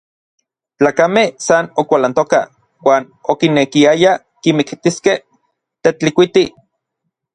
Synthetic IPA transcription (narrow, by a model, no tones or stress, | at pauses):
t͡ɬaːkamehsanokʷalant̪oka | waːn | okinːekiaja | kimikt̪iskeh | t̪et͡ɬikʷit̪i